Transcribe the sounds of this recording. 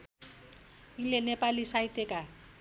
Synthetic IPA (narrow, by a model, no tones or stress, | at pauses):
ilenepalisaiteka